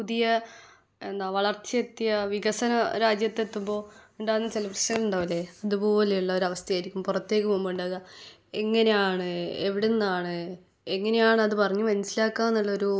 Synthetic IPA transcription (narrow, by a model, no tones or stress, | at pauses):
puðijɐ | e̞nd̪aːʋɐɭɐrt͡ɕjet̪ːjɐʋiɣɐsɐnɐɾaːd͡ʑjɐt̪ːe̞t̪ːumbo̞ːuɳɖaːnːɐt͡ɕelɐbrɐɕɐɣɐluɳɖaːʋɐlːeɐðubo̞ːlejuɭːɐo̞ɾɐʋɐst̪ʰɐjaːjiɾikʲːumpurɐt̪ːeːkːumumbuɳɖɐɣɐ | e̞ŋːɐnejaːɳɨeʋiɽenːaːɳɨ | eŋːɐne̞jaːɳɨɐðɨpɐrɐɲːumɐnusilaːkːaːnːɐɭːɐoɾu